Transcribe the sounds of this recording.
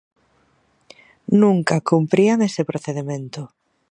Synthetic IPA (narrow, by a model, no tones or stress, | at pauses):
nũŋkakumpɾiaŋesepɾoθeðemẽnt̪ʊ